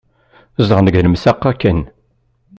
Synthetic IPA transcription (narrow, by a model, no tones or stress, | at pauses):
zʁnəɡəlmsæqːakːən